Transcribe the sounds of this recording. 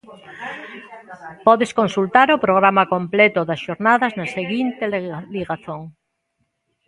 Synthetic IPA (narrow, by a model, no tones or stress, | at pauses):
pɔðeskonsult̪aɾopɾoɣɾamakomplet̪oðɐsʃoɾnaðɐznɐseɣint̪elliɣaθoŋ